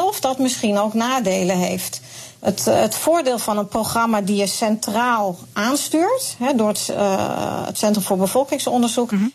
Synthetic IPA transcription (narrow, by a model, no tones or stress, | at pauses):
ɛfdɑtmɪsχinowknaːdejləɦejft | ətətfoːɹdeːlˠvɑnənproχrɑmadijəsɛntraːlˠʔaːnstyːɹtɦɛdʊːɹ | tsɛntrəmfʊːɹbəv̥ɔlˠkɪŋsɔndəɹzuk